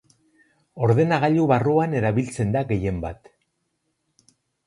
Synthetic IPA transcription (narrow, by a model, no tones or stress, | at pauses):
o̞ɾðe̞naɣaʎuβaruane̞ɾaβilt͡se̞nd̪aɣe̞je̞mbat̪